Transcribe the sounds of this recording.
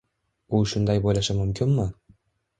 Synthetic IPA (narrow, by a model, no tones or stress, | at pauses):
ʊʃʊnd̪ajbojlaʃamʊmkʲʰɪnmɪ